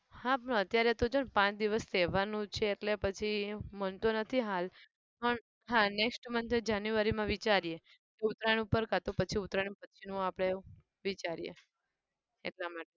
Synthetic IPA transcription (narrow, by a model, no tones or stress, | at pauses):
hãpəɳət̪jaɾet̪od͡ʒonpãt͡ʃd̪iʋəst̪ɛʋanũt͡ʃʰeːʈlepət͡ʃʰimənt̪onət̪ʰiɦal | pəɳ | ɦãneksʈmənt͡ʃʰed͡ʒanjuʋaɾimãʋit͡ʃaɾije | t̪eut̪ɾañiupəɾkat̪opət͡ʃʰiut̪ɾaɽĩpət͡ʃʰinũapɽ̃e | ʋit͡ʃaɾijḛ | ḛʈlamaʈe